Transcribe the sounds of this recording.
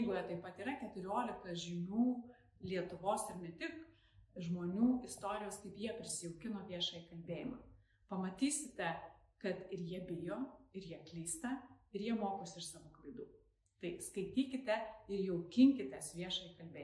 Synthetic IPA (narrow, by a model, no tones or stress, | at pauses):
ɡʊːjɛt̪ɐɪpɐt̪iːɾɐkʲɛt̪ʊɾʲoːlʲɪkɐʒʲɪnʲuː | lʲiɛt̪ʊʋoːsɪɾnʲɛt̪ʲɪk | ʒmoːnʲuːɪst̪oːɾʲɪjoːskɐɪpjiɛpʲɾʲɪsʲɪjɛʊkʲɪnoːʋʲiɛʃɐːikɐlʲbʲeːjɪmɐ̰ː | pɐmɐt̪ʲiːsʲɪt̪ʲɛkɐt̪ɪɾjiɛbʲɪjoːɪɾjiɛklʲiːst̪ɐɪɾjiɛmoːkoːsʲɪɪʃsɑːʋoːklˠɐɪd̪uː | t̪ɐɪskɐɪt̪ʲiːkʲɪt̪ʲɛɪɾjɛʊkʲɪŋʲkʲɪt̪ʲɛsʋʲiɛʃɐikɐlʲbʲeː